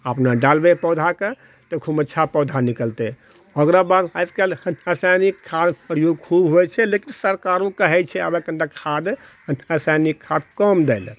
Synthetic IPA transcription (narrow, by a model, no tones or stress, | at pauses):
əpnaɖalbepɔwd̪ʱake | t̪ekʰubətːʃʰapɔd̪ʱanikəlt̪ɛ | ɔɡɾabad̪askalhəsanikʰːad̪pɾjoɡkʰubɦojt͡ʃʰɛlekinsəɾkaɾũkəɦɛt͡ʃʰɛa̰bekənɖakʰːad̪ | ənəsajnikʰːad̪kɔmd̪ɛl